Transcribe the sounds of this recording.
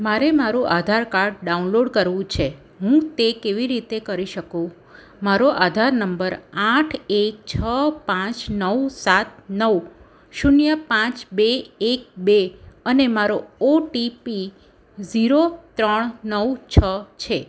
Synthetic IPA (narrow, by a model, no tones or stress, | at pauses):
maɾemaɾũʔad̪ʱaɾkaɾʈ̚ɖaunloɖkəɾʋũt͡ʃʰe | ɦũt̪ekeʋiɾit̪ekəɾiʃəkũ | maɾoʔad̪ʱaɾnəmbəɾaʈʰek̚t͡ʃʰəpãt͡ʃnəwsat̪̚nəw | ʃunjəpãt͡ʃbeːk̚beənemaɾooʈipi | ziɾot̪ɾəɳnəwt͡ʃʰət͡ʃʰe